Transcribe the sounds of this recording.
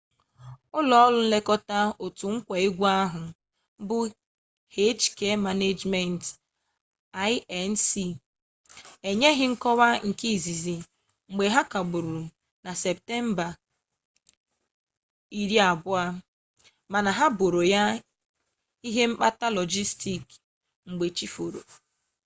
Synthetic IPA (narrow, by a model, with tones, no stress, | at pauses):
ʊ˦lɔ˦ɔ˦lʊ˦n̩˦le˦kɔ˦ta˦o˨tʊ˨ŋ̩˦kʷa˨e˦ɡʷa˦ɦʊ˨˦ | bʊ˦ | he˦t͡ʃke˦ma˨ne˦d͡ʒme˨n˨t | a˦jɛ˨n̩˦si˨ | e˨ɲe˦ɦɪ˦ŋ̩˦kɔ˦wa˦ŋ̩˨ki˦˨zi˨zi˨ | ŋ͡m̩˨ɡ͡be˨ɦa˦ka˨ɡ͡bʊ˨ɾu˨ | na˨se˨p̚te˦m̩˦ba˨ | i˨ɾi˦a˨bʊ˦a˦ | ma˨na˨ɦa˦bo˨ɾo˨ja˦ | i˦ɦe˦m̩˦k͡pa˦ta˦lɔ˨d͡ʒi˦sti˨k | ŋ͡m̩˨ɡ͡be˨t͡ʃi˦fo˨ɾo̰˨